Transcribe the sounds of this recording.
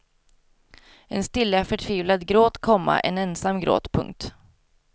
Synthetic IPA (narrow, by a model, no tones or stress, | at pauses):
ɛnst̪ɪlːafœʈʰviːvlad̪ɡɾoːt̪kʰɔmːa̰ʔɛnɛnsamːɡɾo̰ːt̪pʰɵ̰ŋk̚t̪